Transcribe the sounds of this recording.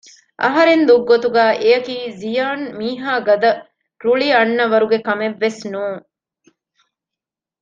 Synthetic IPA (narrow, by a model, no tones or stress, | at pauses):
ʔɐɦɐɾend̪uɡːot̪uɡæːʔejɐkiːzijaːnmiːɦaːɡɐd̪ɐ | ɾuɭiɐnːɐʋɐɾuɡekɐmeʋːesnuːŋ